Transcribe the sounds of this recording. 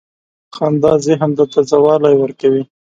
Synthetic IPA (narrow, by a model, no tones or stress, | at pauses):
xɑnd̪ɑzeɦamd̪ət̪azawɑlajwəɾkawi